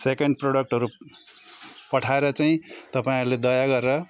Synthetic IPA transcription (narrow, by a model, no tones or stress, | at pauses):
sekeɳɖproɽʌk̚ʈʌɾu | pʌʈʰaeɾʌt͡saĩt̪ʌpaĩɦʌɾled̪ʌjaɡʌɾɾʌ